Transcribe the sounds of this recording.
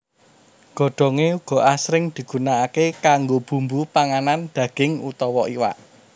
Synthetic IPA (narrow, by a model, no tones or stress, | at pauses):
ɡ̥ɔ̤ɖ̥ɔ̤ŋeuɡ̥ɔ̤ʔasɾɪŋd̪̥i̤ɡ̥ṳnaːkekaŋɡob̥ṳmbupaŋanand̪̥ä̤ɡ̥ɪŋṵt̪ɔwɔʔiwa̰ʔ